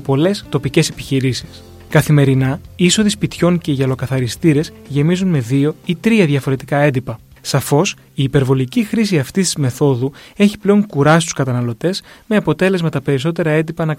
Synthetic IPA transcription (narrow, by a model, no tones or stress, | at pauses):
po̞le̞st̪o̞pice̞se̞pi̥çiɾisi̥s | kɐθime̞ɾinɐiiso̞ðispit̪ço̞ŋce̞iʝɐlo̞kɐθɐɾist̪iɾe̞z | ʝe̞mizunme̞ðio̞it̪ɾiɐðʝɐfo̞ɾe̞t̪ikɐe̞nd̪ipɐ | sɐfo̞s | iːpe̞ɾvo̞licixɾis̬iɐft̪ist̪izme̞θo̞ðue̞çi̥ple̞o̞ŋkuɾɐsist̪u̥skɐt̪ɐnɐlo̞t̪e̞sme̞ɐpo̞t̪e̞le̞zmɐt̪ɐpe̞ɾis̬o̞t̪e̞ɾɐe̞nd̪ipɐnɐ